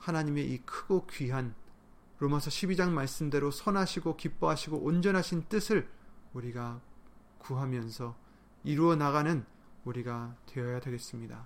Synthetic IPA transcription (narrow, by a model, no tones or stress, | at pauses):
hanaɲime̞ʔikʰɯɡokɥiɦan | ɾomasʰʌɕʰibid͡ʑaŋmaɭs͈ɯmde̞ɾosʰʌnɦaɕʰiɡokip͈ʌɦaɕʰiɡoʔond͡ʑʌnɦaɕʰint͈ɯsʰɯɭuɾiɡa | kuɦamjʌnsʰʌ | iɾuʌnaɣanɯn | uɾiɡatwe̞ʌjade̞ɡe̞s͈ɯmɲida